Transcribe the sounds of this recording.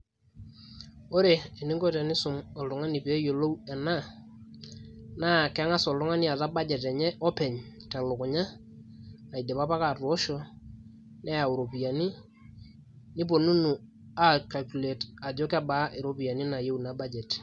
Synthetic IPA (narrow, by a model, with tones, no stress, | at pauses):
o˦ɾe˨e˨ni˦ŋɡo˦tɛ˨nɪ˦sʊ˨mɔ˨ltʊ˨ŋa˦ni˨pe˨˦jo˨lo˦wɛ˨na˦ | na˦˨kŋa˦sɔ˨ldʊ˦ŋa˦ni˦a˨ta˦ba˦d͡ʒɛ˨tɛ˨ɲɛ˦ʔɔ˦pɛ˨ɲ | ta˨lʊ˨kʊ˨ɲa˦ | na˨i˨de˨pa˦pa˦ka˨two˦ʃɔ˦ | nɛ˦a˨u˨ɾo˨pi˨ja˨ni˦ | nɪ˦p̬o˨nu˦nu˨ | a˦ka˨lku˨le˨ta˨d͡ʒo˦ka˦ba˦ʔe˨ɾo˨˦pi˨ja˨ni˦na˨je˦wu˨na˨˦ba˦d͡ʒɛ˨t